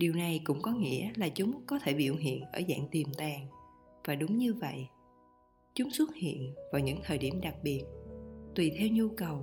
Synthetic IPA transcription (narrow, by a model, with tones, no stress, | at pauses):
ɗi˨˩əwna˨˩jkʊ̰˧˥ŋ͡mkɔ˨˦ŋḭ˧˥əlaː˨˩t͡ɕʊ˨˦ŋ͡mkɔ˨˦t̪ʰe˧˩ɓḭ˧˨˩wɦḭ˧˨ənʔəː˧˩za̰ː˧˨ŋt̪i˨˩mt̪aː˨˩ŋ | vaː˨˩ɗʊ˨˦ŋ͡mɲɨ˧və̰˧˨j | t͡ɕʊ˨˦ŋ͡mswə˦˥t̚hḭ˧˨ənvaː˨˩wɲɨ̰˧˥ŋt̪ʰəː˨˩jɗi˧˩əmɗa˨˩k̚ɓi˨˩ət̚t̪wi˨˩t̪ʰɛ˧wɲu˧kə˨˩w